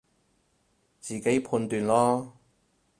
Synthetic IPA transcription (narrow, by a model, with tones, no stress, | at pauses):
t͡siː˨˩ke˨˥jpʰuː˧nt̪yː˨nlɔː˥